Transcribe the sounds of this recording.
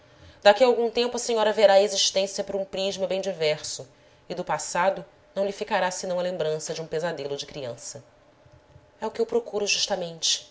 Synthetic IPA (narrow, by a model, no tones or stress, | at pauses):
d̪akiɐawɡũt̪ẽmpʊɐseɲɔɾɐveɾaeziʃt̪ẽsjɐpɾɐũpɾiʒmɐbẽj̃d͡ʒivɛɾsʊ | ɪd̪ʊpasad̪ʊ | nɐ̃w̃lifikaɾasɪnɐ̃w̃ɐlẽmbɾɐ̃sɐd͡ʒɪũpezad̪elʊd͡ʒɪkɾiɐ̃sɐ | ɛʊkɪewpɾokuɾʊʒuʃt̪ɐmẽnt͡ʃɪ̥